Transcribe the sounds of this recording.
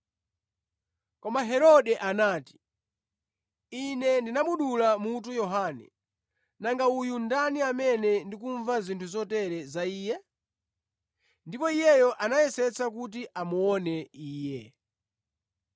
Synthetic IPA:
kɔmaɦɛɾɔɗɛʔanaːti̥ | inɛndinaɓuɗulamut̬ujɔɦanɛ̰ | naŋɡaujundaniamɛnɛndikuɱvazintʰuzɔtɛɾɛzaiːjɛ | ndipɔijɛjɔʔanajɛsɛt͡sʰakut̬iʔamuɔnɛiːjɛ

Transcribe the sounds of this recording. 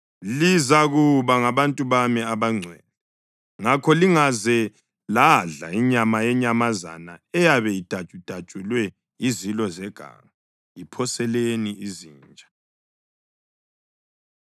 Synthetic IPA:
lizaɣuβaŋaβantʼuβamiaβaŋ͡ǀʱwɛːlɛ | ŋakʰɔliŋazɛ | laɮa̰iɲamajɛɲamaza̰naɛjaβɛjid̥ʱḁt͡ʃʼud̥ʱḁt͡ʃʼulwɛ | izilɔzɛɡ̥ʱa̰ŋa | ipʰɔsɛleniiziːnt͡ʃʼḁ

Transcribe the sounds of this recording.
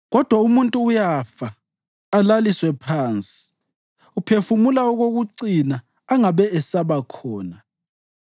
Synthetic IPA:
ɣɔd̥ʱwaumuntʼuːjafaː | laliswɛpʰaːnt͡sʼi̥ | upʰefumulaɔɣoɣuǀinaː | ŋaβɛɛsaβakʰɔːna

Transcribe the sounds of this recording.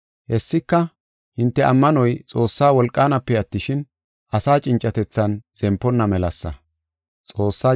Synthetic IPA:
hɛsːɪkːɐ | hɪnt̪ːɛʔɐmːɐnɔjt͡sʼo̞ːsːaːwɔlkʼːaːnɐpːɛɐt̪ːɪʃɪn | ʔɐsaːt͡ʃʼɪnt͡ʃʼːɐt̪ɛt͡sːɐnz̥ɛmpːɔnːɐmɛlɐsːɐ̰ | t͡sʼo̞ːsːaː

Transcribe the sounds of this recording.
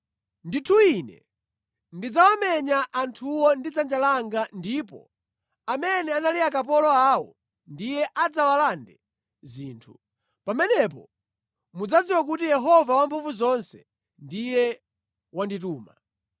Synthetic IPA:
nditʰuinɛ̰ | ndid͡zawamɛɲaʔantʰuwɔndid͡zand͡ʒalaŋɡandiːpɔ̰ | amɛnɛanaliakap̬ɔlɔawɔ̰ | ndijɛʔad͡zawalandɛ | ziːntʰu | pamɛnɛpɔ̰ | mud͡zad͡ziwak̬utijɛɦɔvawampʰuɱvuzɔnsɛ | ndijɛ | wandituːma

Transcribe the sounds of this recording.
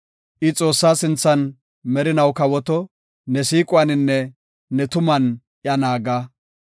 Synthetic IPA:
ʔɪt͡sʼo̞ːsːaːsɪnt͡sːɐn | mɛɾɪnɐwkɐwɔt̪ɔ | nɛsiːkʼʊɐnɪnːɛː | ɛt̪ʊmɐn | ʔjɐnaːɡa

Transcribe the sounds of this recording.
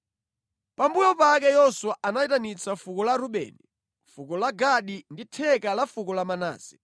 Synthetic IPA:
pambujɔpakɛjɔswaʔanaitanit͡safukɔlaɾuɓɛ̰ːni | fukɔlaɡaɗinditʰɛkalafukɔlamana̰ːzɛ̥

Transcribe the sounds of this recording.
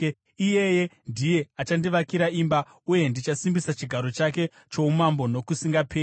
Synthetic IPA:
ijeje̞ndije̞at͡ʃandiʋakiɾaimba | uje̞ndit͡ʃasimbisat͡ʃiɡʱaɾo̞t͡ʃake̞ | t͡ʃo̞umambo̞no̞kusiŋɡapʰeː

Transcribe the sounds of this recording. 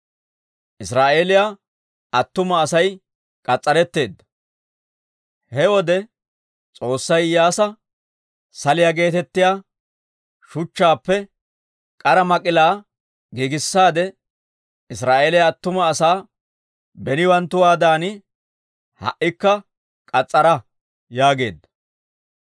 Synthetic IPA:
ʔɪsɾaːʔeːlɪja | ɐt̪ːʊmɐːsɐj | kʼɐt͡sʼːɐɾɛt̪ːe̞ːd̪ːɐ̥ | hɛwɔd̪ɛ | t͡sʼo̞ːsːɐjjːaːsɐ | sɐlɪjaɡe̞ːt̪ɛt̪ːɪjaː | ʃʊt͡ʃːaːpːɛ | kʼɐɾɐmɐkʼɪlaː | ɡiɡɪsːaːd̪ɛ | ɪsɾaːʔeːlɛɐt̪ːʊmɐːsaː | bɛnɪwɐnt̪ːʊwaːd̪aːnɪ | hɐ̰ʔːɪkːɐ | kʼɐt͡sʼːɐɾɐ | jaːɡe̞̰ːd̪ːɐ̥

